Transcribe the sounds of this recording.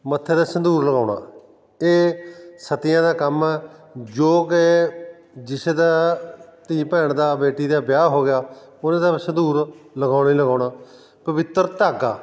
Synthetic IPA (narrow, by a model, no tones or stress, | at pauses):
mət̪ʰːeːd̪aːsənd̪uːɾləɡaːʊɳa̰ː | eːsət̪ɪjãːd̪aːkəmɛːd͡ʒoːkɪ | d͡ʒɪseːd̪aːt̪iːpɛːɳd̪aːbeːʈiːd̪aːbjaːɦoːɡɪjaː | ʊnãːd̪aːsənd̪uːɾləɡaːniːləɡaːʊɳaː | pəʋɪt̪ːəɾt̪aːɡa̰ː